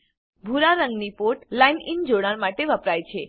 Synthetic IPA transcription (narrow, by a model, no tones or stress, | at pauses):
bʱuɾaɾəŋɡnipoʈlajnind͡ʒoɽ̃aɾmaʈeʋəpɾajt͡ʃʰe